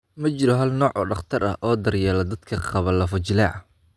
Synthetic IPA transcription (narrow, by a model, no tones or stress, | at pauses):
mɐt͡ʃɪɾɔɦɐlnɔːʕɔɖɑχt̪ʰɐɾɐ̰ʔɔːd̪ɐrjaːlɐd̪ɐd̪kʰɐqɑβɐlːɐfɐt͡ʃɪlɐɐ